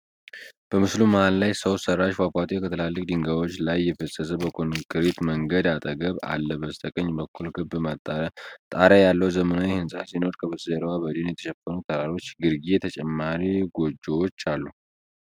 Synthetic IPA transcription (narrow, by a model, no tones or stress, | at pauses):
b̥əmɨsluməhallajsəwsərːaʃfakʷat̪ʰʼekʰət̪ʰɨəlalːɨk̚ʼd̪ɨŋɡawo̞t͡ʃːlajːɛfəsʼəzəbəkʰonkʼɨɾet̪məŋɡəd̪at̪ʼəɡəβa̰lːəbəst̪ʰəkʼəɲːbəkʰːulkʰɨbmat̪ʼt̪ʼaɾajalːəwzəmənawɛhɨnsʼasino̞ɾkʰəβəsʼɨzəɾwabəd̪enjɛt̪ʰə̥ʃɛfːənut̪ʰəɾaɾo̞t͡ʃːɡɨɾɡijɛt̪ʰət͡ʃʼɛmːaɾiɡo̞d͡ʒewot͡ʃːalːu